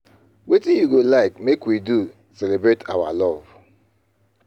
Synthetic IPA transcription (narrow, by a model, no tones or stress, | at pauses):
wetijuɡolaɪkmekwidu | selebɾetʰawa̰lɔv